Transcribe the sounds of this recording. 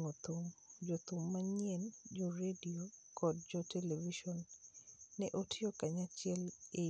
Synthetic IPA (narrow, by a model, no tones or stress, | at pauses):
ŋot̪umd͡ʒot̪umːaɲɛnd͡ʒɔɾediokʰɔd̚d͡ʒɔteleviʃɔnː | ɛʔotiokaɲat͡ʃɪɛle